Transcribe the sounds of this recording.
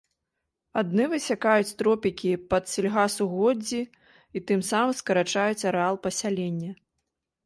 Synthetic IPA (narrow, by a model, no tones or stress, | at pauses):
ad̪nɨvɨsʲakajut͡sʲt̪ɾɔpʲikʲipɐt̪sʲilʲɣasuɣɔd͡zʲi | it̪ɨmsamɨmskɐɾat͡ʂajut͡sʲɐɾɛalˠpɐsʲalʲenʲːɐ